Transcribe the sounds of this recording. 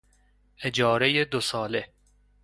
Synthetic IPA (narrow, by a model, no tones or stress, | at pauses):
ed͡ʒɒːɾejed̪osɒːle